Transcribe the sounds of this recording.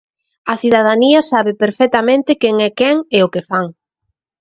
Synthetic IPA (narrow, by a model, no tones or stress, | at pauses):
ɐθiðað̞aniɐsaβɪpeɾfɛt̪amẽnt̪ɪkeŋɛkɛŋeʊkɪfaŋ